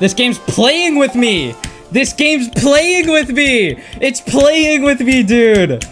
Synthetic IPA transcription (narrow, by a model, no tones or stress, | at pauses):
ðɪsɡ̥ẽɪ̃mz̥pʰlˠejɪ̃ŋwɪðmi | ðɪsɡ̥ẽɪ̃mzpʰlˠeɪɪ̃ŋwɪðmiɪtspʰlˠejɪ̃ŋwɪðmidʉɾ